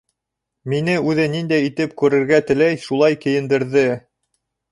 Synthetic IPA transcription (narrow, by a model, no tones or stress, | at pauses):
minɘʉðɘnind̪æjit̪ɘp̚kʉɾɘ̆ɾɡæt̪ɘ̆læjʃulˠɑjkɘ̆jɘ̆nd̪ɘ̆ɾðɘ